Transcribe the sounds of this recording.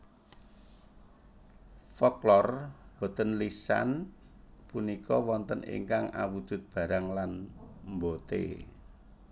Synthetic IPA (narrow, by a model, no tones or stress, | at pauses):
fɔklɔrb̥o̤t̪ənlisa̰n | punikɔwɔnt̪ənḭŋkaŋa̰wud̥ʒ̥ʊ̤t̪̚b̥a̤ɾaŋlanmbot̪ḛ